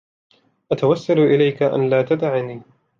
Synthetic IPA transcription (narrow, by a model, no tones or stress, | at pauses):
ʔat̪awasːalʔɪlajkaʔa̰nlaːt̪ad̪aʕniː